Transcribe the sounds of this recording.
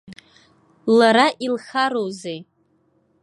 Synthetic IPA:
laɾaʔilχaɾowzej

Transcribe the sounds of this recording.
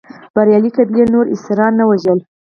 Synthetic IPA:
b̥aɾjɑlikad̪jenoɾɪ̰sɾɑnːawaʒəl

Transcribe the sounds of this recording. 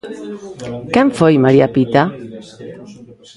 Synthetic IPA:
kɛmfojmaɾiapit̪a

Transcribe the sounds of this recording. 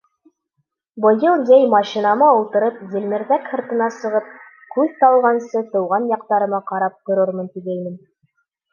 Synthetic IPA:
bŏjɤlˠd̪ejmɑʃĭnɑmɑulˠt̪ɤ̆ɾɤpzĭlʲmɘ̆ɾðækhɤ̆ɾt̪ɤ̆nɑsɤ̆ʁɤp̚ | kʉðt̪ɑlˠʁɑnsɤt̪ɤ̆wʁɑnjɑqt̪ɑɾɤ̆mɑqɑɾɑp̚t̪ŏɾɤɾmɤnt̪iɡæjmɘn

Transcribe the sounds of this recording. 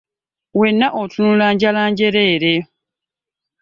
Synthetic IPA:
we̞nːaʔotʰunulaːɲɟalaːɲɟe̞ɾeːɾe

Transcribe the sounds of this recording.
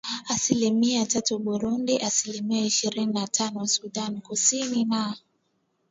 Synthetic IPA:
asilimiatatuɓuɾundiʔasilimiaiʃiɾininatʰanɔsuɗankusinina

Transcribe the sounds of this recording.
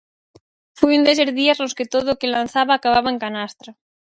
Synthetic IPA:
fujund̪es̬eɾðiazlosket̪oðoːkelanθaβaːkaβaβaeŋkanast̪ɾa

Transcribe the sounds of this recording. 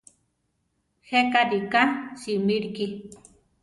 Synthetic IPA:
hekaɾikasimiɾki

